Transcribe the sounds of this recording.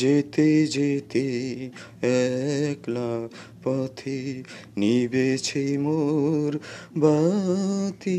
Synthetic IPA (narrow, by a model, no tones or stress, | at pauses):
d͡ʑet̪ed͡ʑet̪e | ɛklapɔt̪ʰi | nibet͡ɕʰejmoɾba | t̪i